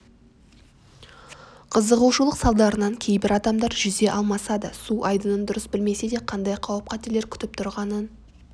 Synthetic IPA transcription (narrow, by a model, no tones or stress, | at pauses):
qʰəzəʁuwʃulˠəqsɑlˠd̪ɑɾənɑŋkʲʰe̞jbɪɾɑd̪ɑmd̪ɑɾʒʏze̞ʔɑlˠmɑsɑd̪əsuʔɑjd̪ənənd̪ʊɾəsbɪlme̞sed̪e̞qʰɑnd̪ɑjqʰɑwəp̚qʰæt̪elɾkʲʰʏ̥t̪ɪp̚t̪ʰʊɾʁɑnən